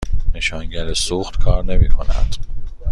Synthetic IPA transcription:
ne̞ʃɒːŋɟæɾesuːxt̪kʰɒːɾne̞miːkʰo̞̰næ̰d̪̥

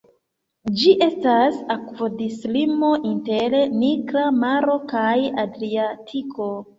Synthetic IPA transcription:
d͡ʒiʔe̞stasakvodislimo̞ʔinteleniɡɾamaɾo̞kajadɾiatʰiko̞

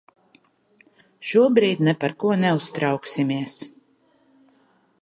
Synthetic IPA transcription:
ʃuɔbɾiːd̪ʲnɛpaɾkuɔnɛust̪ɾawksimiɛs

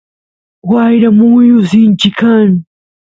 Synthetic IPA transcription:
wajɾamujʊzint͡ʃikʰan

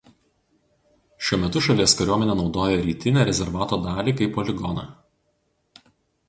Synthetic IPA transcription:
ʃʲuɔmʲɛt̪ʊʃɐlʲiɛskɐɾʲuɔmʲɛnʲɛːnɒʊd̪oːjɛɾʲiːt̪ʲɪnʲeːɾʲɛzʲɛɾʋɑːt̪oːd̪ɑːlʲiːkɐɪpɔlʲɪɡɔnɑ̰ː

